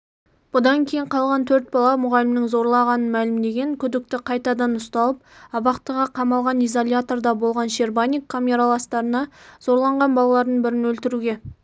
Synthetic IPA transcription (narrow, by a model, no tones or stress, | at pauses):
b̥ʊd̪ɑŋkʲʰe̞jɪɴqʰɑlˠʁɑnt̪ʰɵɾt̪̚bɑlˠɑmʊʁɑlɪmnɪŋzo̞ɾlˠɑʁɑnənmælɪmd̪e̞ɡʲe̞ŋkʲʰʏd̪ɪk̚t̪ɪqʰɑjt̪ɑd̪ɑnʊst̪ɑlˠəp̚ɑbɑqt̪əʁɑqʰɑmɑlˠʁɑnijzolʲjat̪o̞rd̪ɑbo̞lˠʁɑnʃerbanʲikʰːamʲeɾalˠɑst̪ɑɾənɑz̥o̞ɾlˠɑɴʁɑnbɑlˠɑlˠɑɾd̪əɴbɪɾɪnwɵlt̪ɪɾuɡʲe̞